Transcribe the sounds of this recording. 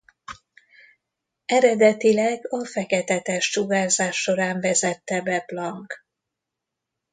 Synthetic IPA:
ɛɾɛd̪ɛt̪ilɛɡɒfɛkɛt̪ɛt̪ɛʃt͡ʃuɡaːzaːʃːo̞ɾaːɱvɛzɛt̪ːɛbɛblɒŋk

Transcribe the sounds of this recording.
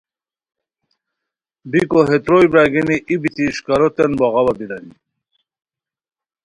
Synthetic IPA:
bikoɦet̪ɾojbɾaɡiniʔibit̪iʂkaɾot̪enboɣɑwabiɾani

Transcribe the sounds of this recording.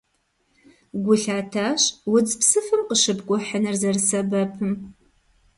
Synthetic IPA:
ɡʷʊɬaːtʰaːɕwʊt͡sʼpsɨfɨmqəʂɨbkʷʼʊħənɨrzɐrsɐbɐpʰɨm

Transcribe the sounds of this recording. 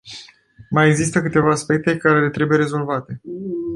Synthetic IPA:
majeɡzist̪əkɨt̪e̞vaːspe̞k̚t̪e̞kaɾe̞le̞t̪ɾe̞buje̞ɾe̞zo̞lvat̪e̞

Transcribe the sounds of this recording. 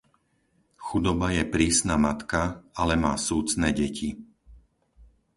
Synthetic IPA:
xud̪ɔbajɛpɾiːsnamat̪kaalɛmaːsuːt͡snɛːɟɛcʰi

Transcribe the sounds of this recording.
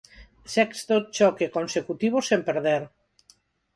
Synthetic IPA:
sɛkst̪ot͡ʃɔkekonsekut̪iβ̞osempeɾðeɾ

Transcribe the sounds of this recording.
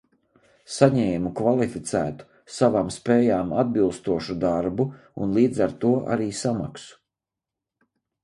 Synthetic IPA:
saɲɛːmukvalˠifit̪sæːt̪u̥ | savaːmspɛːjaːmad̪̚bilˠst̪uɔʃud̪aɾbu | ṵnlˠiːd̪zaɾt̪uɔʔa̰ɾiːsama̰ksu̥

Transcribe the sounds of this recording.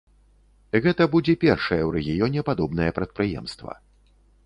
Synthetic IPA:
ɣɛt̪ɐbud͡zʲɛpʲɛrʂɐjɛwɾɛɣʲijɔnʲɛpad̪ɔbn̪ɐjɐpɾɐt̪̚pɾɨjɛ̰mst̪vɐ̰

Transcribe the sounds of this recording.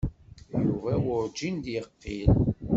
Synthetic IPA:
juvæwʊɾd͡ʒind̪jəqːil

